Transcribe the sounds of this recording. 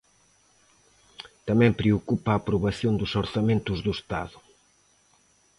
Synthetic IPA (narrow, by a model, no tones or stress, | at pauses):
t̪ɐmɛ̃mpɾeokupaːpɾuβɐθjõnd̪usoɾθɐmẽnt̪ʊzðust̪a̰ðʊ